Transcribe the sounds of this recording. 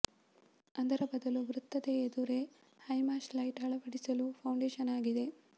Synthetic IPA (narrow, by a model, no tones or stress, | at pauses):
ɐnd̪ɐɾɐbɐd̪ɐluʋɾut̪ːɐd̪eːd̪uɾe̞ | hɐjmaːslɐjʈɦɐɭɐʋɐɽisɐlupʰɐwɳɖeːʃɐnaːɡid̪e̞